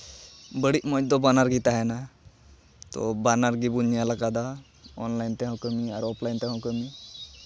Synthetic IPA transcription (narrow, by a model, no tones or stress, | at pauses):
bəɽiʔmɔd̪ɔbanaɾɡit̪aɦɛna | t̪ɔ̰banaɾɡibunjalakad̪a | ɔ̰nlajnt̪ɛɦãwkəmiaɾɔpʰlajnt̪ɛɦãkəmi